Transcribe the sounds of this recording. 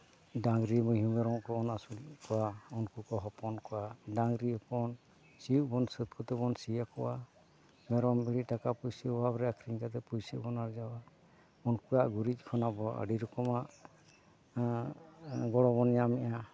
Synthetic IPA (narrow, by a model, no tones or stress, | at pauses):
daŋɾimɔɦumɛɾɔŋkɔːnasulkɔwaɔnkukɔɦɔpɔnkɔwadaŋɡɾiɔpɔn | siuʔ̚bɔnsət̪̚kɔt̪ɛbɔnsijakɔwa | mɛɾɔmbiɽiʈakapujsəɔwabɾɛakʰɾiŋkat̪ɛpujsebɔnaɾd͡ʒawa | ɔnkuɾaʔɡuɾit̪̚ˀkʰɔnabɔə̰ɖiɾɔkɔmaʔ | ɡɔɽɔbɔnjamɛʔa